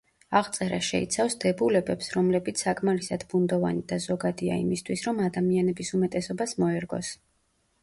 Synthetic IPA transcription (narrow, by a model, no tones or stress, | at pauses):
aʁt̪sʼɛɾaʃɛ̰ḭt̪sʰafsd̪ɛbulɛbɛpsɾɔmlɛbit̪sʰakʼmaɾisad̪bund̪ɔva̰nid̪azɔɡad̪ia̰ḭmist̪ʰwisɾɔmad̪amianɛbisumɛt̪ʼɛsɔbasmɔɛɾɡɔ̰s